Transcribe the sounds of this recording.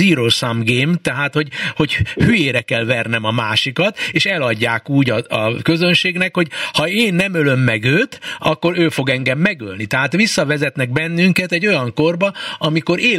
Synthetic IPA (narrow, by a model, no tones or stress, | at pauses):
iːɾosamɡeːmt̪ɛɦaːt̪ho̞ɟho̞ɟhyjeːɾɛkɛlvɛrnɛmɒmaːʃikɒt̪eːʃɛlɒɟːaːkuːɟɒɒ̰kø̞zønʃeːɡnɛkho̞ɟhɒeːnːɛmølø̞mːɛɡøːt̪ɒkːo̞ɾøːfo̞ɡɛŋɡɛmːɛɡø̰lnit̪ɛɦaːt̪ʋisːɒvɛzɛt̪nɛɡbɛnːyŋkɛt̪ɛɟːo̞jɒŋko̞rbɒɒmiko̞ɾeː